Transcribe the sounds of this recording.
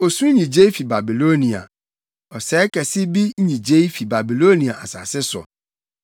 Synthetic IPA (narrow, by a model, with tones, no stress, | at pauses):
o˨sũ˦ɲĩ˨d͡ʑe˦i˦fi˨ba˨bi˨lo˦nĩ˨a̰˨ | ɔ˨sɛ˨˦kʰɛ˨sɪ˦bi˦ɲĩ˨d͡ʑe˦i˦fi˨ba˨bi˨lo˦nĩ˨a˨ʔa˨sa̰˨sɪ˦sɔ̰˨